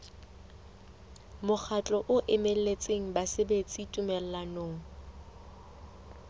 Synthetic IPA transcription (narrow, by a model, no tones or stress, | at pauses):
mʊk͡xʰat͡ɬʼɔʔʊʔɪmel̩let͡sʼeŋ̩basebet͡sʼitʼumɛl̩lanoːŋ̩